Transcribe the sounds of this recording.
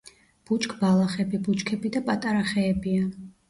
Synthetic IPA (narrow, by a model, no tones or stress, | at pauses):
b̥ut͡ʃʼkʼbalˠaχɛbibut͡ʃʼkʰɛbid̪apʼat̪ʼaɾaχɛːbia